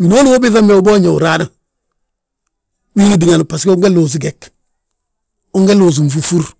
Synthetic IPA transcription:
wi˨no˦lu˦wo˦bi˦θa˦me˨u˦bo˦ɲo˨ṵ˨ɾa˦da˨ | wi˦ɡi˨di˨ŋa˨n˨pa˨ski˦o˦ŋɡe˦lo˨s̬i˦ɡe˨k | o˦ŋɡe˦lo˨s̬u˨nfu˨fu˦ɾ

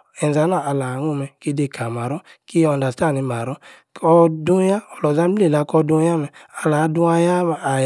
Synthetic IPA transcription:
ɛ˨n˨za˨˦naː˦˨˧la˨˦ŋo˧mɛ˧ki˦de˧˨ka˨ma˨ɾɔ˦ki˦ɔ˧da˨sta˦˨ni˨˧ma˨ɾɔ˦ | ɔ˧do˦ja˦ɔ˧lɔ˨za˦be˦˨la˨˦kɔ˧dõ˧˦ja˦mɛ˧a˧la˨˦du˧a˧ja˦˧a˨

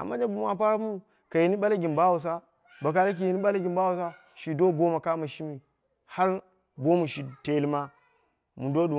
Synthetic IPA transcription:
a̰˨mːa˦d͡ʒa˦bu˨ma˨p̬a˦ɾa˦mu˦˨ | ka˨ji˨ni˦ɓa˦la˦ɡʲi˨nba˦wu˨s̬a˦ | ba˨ka˨la˦k̬i˨ji˨ni˦ɓa˦la˦ɡʲi˨mba˦wu˨sa˦ | ʃi˨do˦bo˦ma˨ka˦ma˨ʃi˦mi˨ | ha˦ɾ | bo˦mu˨ʃi˨te˨˦li˦ma˦ | mu˨ndo˦ɗu˨

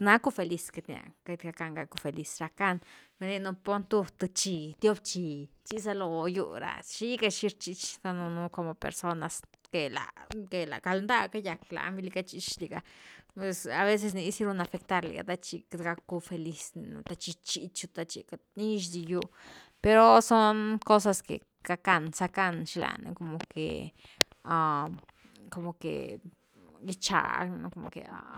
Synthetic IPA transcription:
na˦ku˦fe˧li˧ske˧t̪nja̰˨ke˧t̪ɡa˧ka˧ŋɡa˧ku˧fe˨li˧sɾa˧ka˦˧nbe˧ni˧nu˧po˦nt̪u˧t̪ɨ˧t͡ʃi˧t̪jo˦bt͡ʃi˧t͡ʃi˦s̬a˧lo˧jṵ˧ɾa̰˨ʃi˦ɡa˧ʃi˧ɾt͡ʃi˧t͡ʃt̪a˧nu˧nu˧ko˧mo˧pḛɾso˧na˧ske˨la̰˨ke˨la̰˨ka˧lnd̪a˦˧ka˦ja˨kla̰˨˦mbi˧li˧ka˧t͡ʃi˧t͡ʃli˧˨ɡa̰˧pwe˧sa˨βe˦s̬e˧s̬ni˧˦si˦ɾu˧na˧fe˧k̚t̪a˧ɾlḭ˨ɡa̰˨t̪a˧t͡ʃi˧kɡa˧˦kːu˧fe˧li˧sn̰˧t̪a˧t͡ʃi˧t͡ʃi˧t͡ʃu˧t̪a˧t͡ʃḭ˧ka˧ni˦ʃ̬d̪i˧ju˧ | pe˧ɾo˧so˦nko˦s̬a˧skḛ˨ | ɡ̥a˧ka˧nsa˧ka˦nʃi˧la̰˨nḛ˧ko˧mo˨kḛ˨ | a˧ | ko˧mo˨kḛ˨ | ɡi˦t͡ʃa̰˨no̰˦ko˧mo˨kḛ˨a̰˦

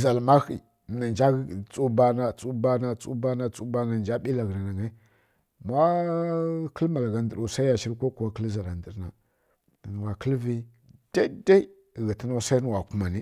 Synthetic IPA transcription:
za˨lma˦xi˨ | na˨nd͡ʒa˦˨t͡sʼu˦ba˦na˦t͡sʼu˦ba˦na˦t͡su˦ba˦na˦t͡su˦ba˦na˨d͡ʒa˦ɓi˦la˨ɣna˨na˨ŋa˦ | mʷ˦a˦ | kə˦lma˨lɣa˨ndə˨ɾu˨sa˦i˦ja˨ʃi˦ɾkʷo˦ku˨wa˦kə˦lza˨la˨ndi˨ɾna̰˨ | n˨wa˨kə˦lvi˦ | d̥a˦da˦i˦˨ | ɣi˨tə˦na˦sa˦i˦n˨wa˨ku˦ma˨ni˦

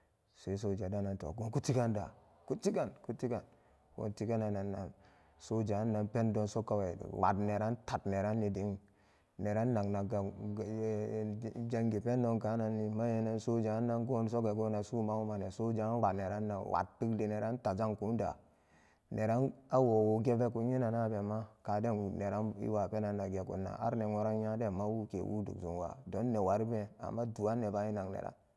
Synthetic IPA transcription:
se˦s̬o˨d͡ʒa˨da˦na˨nto̰˨ɡo˦nku˦ti˦ɡa˦nda̰˨ | ku˦ti˦ɡa˨nku˦tːi˦ka˨n | wo̰˨nti˦ɡa˦na˨na˨nːa̰˨n | so˦d͡ʒa˨˦nːa˨pe˦ndo˦nso˦ka˨wḛ˨wa̰˨dne˨ɾa˦nta˨tne˨ɾa˦nːi˨di˨˦ŋ | ne˨ɾa˦nːa˨ŋna˨ɡa˨ | d͡ʒa˦ŋɡi˨pe˦nːo˨˦nka˨˦na˨nːi˦ma˦je˨ne˦nso˦d͡ʒa˨˦nːa˦nɡo˦n˨so˦ɡe˨ɡo˦na˨su˦ma˦wu˦ma˨ne˨so˦d͡ʒa˨˦wa˨ne˨ɾa˦nːa˨wa̰˨t̚ti˦kdi˨ne˨ɾa˦n˦ta˨d͡ʒa˦ŋku˨˦n˦da̰˨ | ne˨ɾa˦na˦wo˨wo˨ɡe˦ve˦ku˨˦ɲi˦na˨na˦be˨ma˦ka˨de˦˨n˨ne˨ɾa˦nḭ˦wa˨pe˦na˨nːa˨ɡe˨kṵ˨nːa̰˨ʔa̰˦ɾne˨ŋo˨ɾa˦nja˦de˦˨ma˦wu˦kḛ˨wṵ˦dṵ˨ksṵ˨nwa̰˨do˨˦nːe˨wa˨ɾi˦be˦a̰˨mːa˦du˨a˦nːe˨ba˦i˦na˨ŋnḛ˨ɾa̰˦n

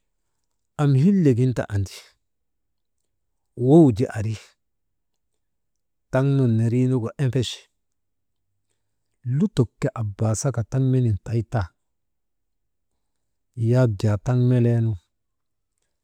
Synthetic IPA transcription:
a˨m˨hi˦lːe˨ɡi˦nta̰˨ʔa˨ndi̥˨ | wo˦wd͡ʒi˦˨ʔa˨ɾi˦ | ta˦ŋno˨nːe˨ɾi˦nu˦ɡo˨ʔe˦mpe˦ʃ | lu˦to˨kːe˦ʔa˨ba˨sa˦ka˨ta˦ŋme˦ni˨nta˨i˦ta˦ | ja˦b̚d͡ʒa˨ta˦ŋme˦le˦nu˦

